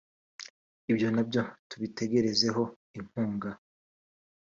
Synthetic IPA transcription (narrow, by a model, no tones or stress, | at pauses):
ibjo̞nabjo̞tuβitʰe̞ɡe̞ɾe̞ze̞ɦo̞ | im̥huːŋɡa